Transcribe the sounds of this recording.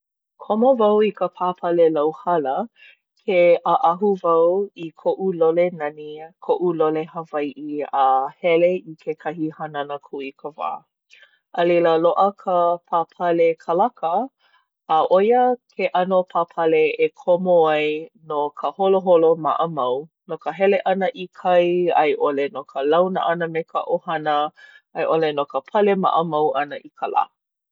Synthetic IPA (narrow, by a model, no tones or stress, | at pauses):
kʰomovɐwikəpʰapʰɐlelawhɐlə | kʰeʔəʔɐɦuvɐwikʰoʔulolenɐnikʰoʔulolehəvajʔiəhɛleikʰekʰɐɦihɐnɐnəkʰuikʰəva̰ː | ʔəleləloʔəkʰəpʰapʰɐlekʰəlɐkʰəː | ʔojəkʰeʔɐnopʰapʰɐleekʰomoajnokʰəholoɦoloma̰ʔəmɐw | nokəɦɛleʔɐnəʔikʰɐjɐjʔolenokʰəlɐwnə̰ʔɐnəmekʰə̰ʔohɐnə | ɐjʔolenokəpʰɐlema̰ʔəmɐwʔɐnəʔikʰəla̰